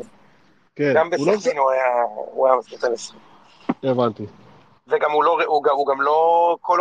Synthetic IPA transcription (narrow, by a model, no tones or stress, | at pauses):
keɡambelsinuajaṵajamaspit̪anesi | evant̪i | veɡamuloʁeuɡauɡamlokʰol